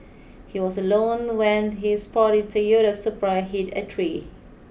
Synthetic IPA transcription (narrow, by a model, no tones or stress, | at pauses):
hiwɔsəlõnwɛ̃nɦispɔɾɪd̚tujoɾəsupɹəɦitə̰tʰɹi